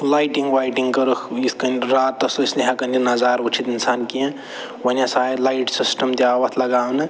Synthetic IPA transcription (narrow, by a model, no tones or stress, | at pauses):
lajʈiŋɡʋaːjʈiŋɡkɐɾukʰiskɐnɾaːt̪ːɐsoisniɦãkɐninɐzaːɾut͡ʃʰit̪insaːnkijẽ | wɐnjãsaːlaːjʈsisʈɐmt̪iawɐt̪ʰlɐɡaːwnɐ